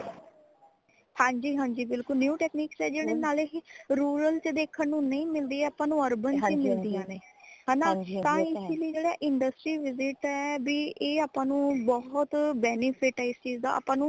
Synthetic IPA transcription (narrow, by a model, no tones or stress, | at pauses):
hãːɲd͡ʒiːɦãːɲd͡ʒiːbɪlkʊlnjuːʈɛːkniːksɛːd͡ʒeːɽ̃eːnaːleɾuːɾəlt͡ʃd̪eːkʰənnũːnəĩːmɪld̪iːɛːaːpãːnũːəɾbənt͡ʃemɪld̪ijãːneːɦãnaːt̪ãːɪsiliid͡ʒeːɽaːʔɪɳɖəsʈɾiːʋɪzɪʈɛːbiːeːaːpãːnũːbɔɦʊt̪bɛːnɪpʰɪʈɛːɪst͡ʃiːzd̪a̰ːa̰ːpãːnũː